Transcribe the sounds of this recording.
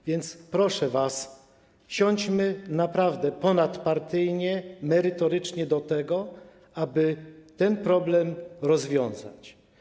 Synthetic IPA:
vʲjɛnt̪spɾɔʂɛvas | ɕɔɲd͡ʑmɘnapɾavd̪ɛpɔnat̪paɾt̪ɘjɲɛmɛɾɘt̪ɔɾɘt͡ʂɲɛd̪ɔt̪ɛɡɔ | abɘt̪ɛnpɾɔblɛmɾɔzvʲjɔ̃ñza̰t͡ɕ

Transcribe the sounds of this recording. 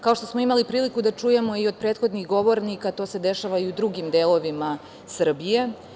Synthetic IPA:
kao̞ʃt̪o̞smo̞imalipɾiːlikud̪at͡ʂuːje̞mo̞iod̪̚pɾet̪xo̞d̪niɣɡo̞ʋo̞ɾnikat̪o̞ːsed̪e̞ʃaʋaiud̪ɾuɡimd̪elˠo̞ʋima | sr̩bije̞

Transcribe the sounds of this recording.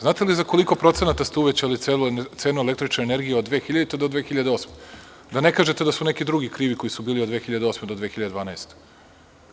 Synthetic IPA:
zaːt̪elizako̞liko̞pɾo̞t̪se̞nat̪ast̪euʋet͡ɕaalielt̪seːnuelekt̪ɾit͡ʃnaeneɾɡijeod̪ʋeːxiʎad̪et̪ed̪od̪ʋeːxiʎad̪eo̞ːsme | d̪ane̞kaːʒet̪ed̪asunekid̪ɾuɡikɾiːʋiko̞jisubiːliod̪ʋexiʎad̪eo̞smed̪od̪ʋeːxiʎad̪d̪ʋaːnaest̪e̥

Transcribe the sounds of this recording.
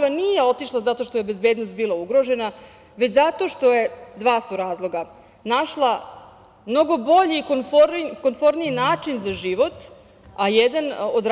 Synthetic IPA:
ʋanije̞o̞t̪iʃlˠazat̪o̞ʃt̪ojebe̞zbeːd̪nost̪bilˠauɡɾo̞ʒe̞na | ʋe̞t͡ɕzat̪o̞ːʃt̪o̞je̞d̪ʋaːsuɾaːzlˠo̞ɡa | naʃlˠa | mno̞ɡo̞bo̞ʎiːkonfoɾkonfo̞ɾniinaːt͡ʂinzaʒiʋo̞t̪ | ajed̪anod̪ɾ

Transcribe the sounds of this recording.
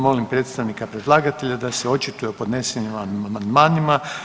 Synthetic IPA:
mo̞limpɾe̞t̪st̪aʋnikapɾed̪lˠaːɡat̪e̞ʎad̪aseo̞t͡ʃit̪ujepo̞d̪neseɲimaamand̪maːnima

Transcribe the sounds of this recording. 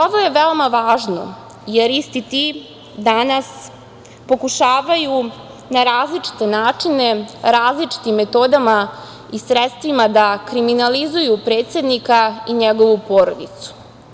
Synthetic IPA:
oʋo̞je̞ʋeomaʋaːʒno̰ | jeɾist̪it̪i | d̪anas | po̞kuʃaːʋaju | naɾaːzlit͡ʂi̥t̪e̞naːt͡ʂine̞ɾaːzlit͡ʂi̥t̪imːe̞t̪o̞d̪ama | isɾet̪st̪ʋimad̪akɾiminalizujupɾe̞ːt̪sʲjed̪nikaiɲeɡo̞ʋupo̞ɾod̪it̪su̥

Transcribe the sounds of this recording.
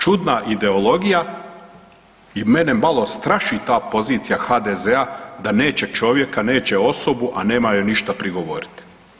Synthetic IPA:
t͡ʃud̪naʔid̪e̞o̞lo̞ɡija | imenemalo̞st̪ɾaʃit̪aːpo̞ziːt̪sijaxaːd̪ezead̪ane̞ːt͡ɕe̞t͡ʃo̞ːʋje̞kane̞ːt͡ɕe̞o̞sobuʔa̰ne̞ːmajuniʃt̪apɾiɡo̞ʋo̞̰ɾi̥t̪i̥

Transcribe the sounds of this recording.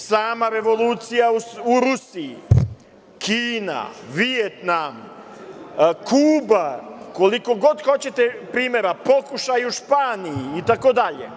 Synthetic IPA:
saːmaɾe̞ʋo̞lˠuːt̪sijauuɾusii | kʰiːna̰ʋijet̪nam | kʰuːbakoliko̞ɡod̪xo̞t͡ɕe̞t̪epɾiːme̞ɾapo̞kuʃajuʃpaːnijiːt̪ako̞d̪aʎḛ

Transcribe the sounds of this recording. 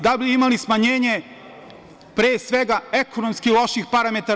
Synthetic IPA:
d̪abiimalismaɲeːɲe̞ | pɾeːsʋe̞ɡae̞kʰo̞nomskilo̞ʃixpaɾame̞t̪a

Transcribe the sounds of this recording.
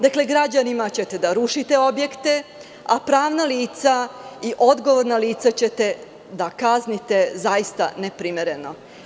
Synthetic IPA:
d̪akle̞ɡɾad͡ʑanimat͡ɕet̪e̞d̪aɾuʃit̪e̞o̞bje̞kt̪e̞ | apɾaːʋnaliːt̪saiʔo̞d̪ɡo̞ʋo̞ɾnaliːt̪sat͡ɕet̪e̞ | d̪akaznit̪e̞zaist̪a̰nepɾimeɾe̞no̞

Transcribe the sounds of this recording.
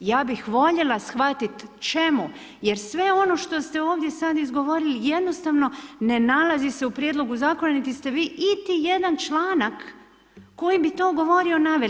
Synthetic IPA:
jaːbixʋo̞ʎe̞lˠasxʋat̪it̪t͡ʃe̞mu | je̞ɾsʋe̞o̞no̞ʃt̪o̞st̪e̞o̞ːʋd̪je̞sad̪izɡo̞ʋo̞ɾilije̞d̪no̞st̪aʋno̞ne̞nalˠazise̞upɾjed̪lo̞ɡuzaːko̞nanit̪ist̪e̞ʋiːʔit̪ije̞d̪ant͡ʃlˠaːnakː | o̞jibit̪o̞ːɡo̞ʋo̞ɾio̞naʋe

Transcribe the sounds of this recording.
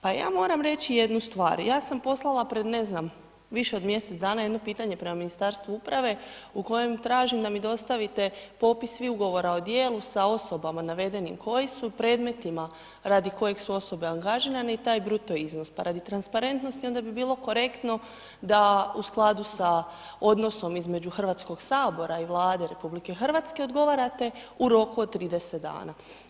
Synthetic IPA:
paja̰ːmo̞ːɾamɾe̞t͡ɕije̞d̪nust̪ʋa̰ːɾjaːsampo̞slˠalˠapɾe̞d̪ne̞znam | ʋiʃeo̞d̪mje̞set̪d̪aːnajed̪no̞piːt̪aɲe̞pɾe̞maminist̪aːɾst̪ʋuupɾaʋe̞ | uko̞je̞mt̪ɾaːʒimd̪amid̪o̞st̪aʋit̪e̞po̞pissʋiuɡo̞ʋo̞ɾao̞d̪je̞ːlˠusao̞so̞bamanaʋe̞d̪e̞nḭmkʰo̞jesupɾe̞ːd̪me̞t̪ima | ɾad̪iko̞je̞ɡsuo̞so̞be̞aŋɡaʒiɾaneit̪aːjbɾut̪oiznospaɾʔad̪it̪ɾanspaɾe̞nt̪nost̪io̞nd̪abibiːlˠo̞ko̞ɾe̞kt̪no̞ | d̪ausklˠad̪usa | o̞d̪no̞so̞mizme̞d͡ʑuxr̩ʋat̪sko̞ɡsaːbo̞ɾaiʋlˠaːd̪e̞ɾe̞publikexr̩ʋaːt̪ske̞od̪ɡo̞ʋaɾat̪e̞ | uɾo̞kuod̪̚t̪ːɾiːd̪e̞set̪̚d̪a̰ːna

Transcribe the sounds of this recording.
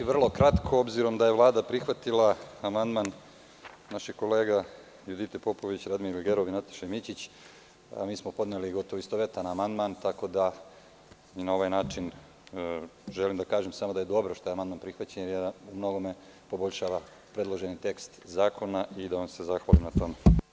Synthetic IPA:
iʋr̩lˠo̞kɾat̪kʰoobziɾo̞md̪aje̞ʋlˠaːd̪apɾixʋat̪ilaːmand̪man | naʃiɡko̞le̞ːɡa | jud̪it̪epo̞po̞ʋit͡ɕɾad̪miɾilʲɡeɾoʋinat̪ḁʃemit͡ɕit͡ɕ | a̰miːsmo̞po̞d̪neliɡo̞t̪oʋoist̪oʋe̞t̪anːmand̪mant̪ako̞d̪a | inao̞ʋajnaːt͡ʃin | ʒelimd̪akaːʒemsamod̪aje̞d̪o̞bɾoʃt̪ojemand̪maːnpɾixʋat͡ɕeɲejeumno̞ɡo̞me̞ | po̞bo̞ʎʲʃaːʋa | pɾe̞d̪lˠo̞ʒenit̪e̞kst̪zaːkʰo̞naʔid̪aʋamse̞zaxʋalimnat̪o̞me

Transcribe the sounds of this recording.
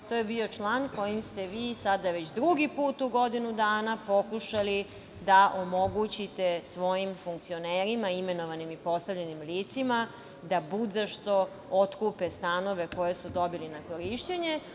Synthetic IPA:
t̪ojebio̞t͡ʃlaːnko̞jimst̪e̞ʋiːsad̪aʋe̞t͡ɕd̪ɾuɡipuːt̪uɡo̞d̪inud̪aːnapo̞kuʃali | d̪aʔomo̞ɡut͡ɕit̪e̞sʋo̞jimfuŋkt̪sio̞neːɾimaime̞no̞ʋanimipo̞st̪aʋʎenimliːt̪sima | d̪abud̪zaʃt̪o̞ | ot̪kuːpest̪ano̞ʋe̞ko̞je̞sud̪o̞bilinako̞ɾiʃt̪eɲe

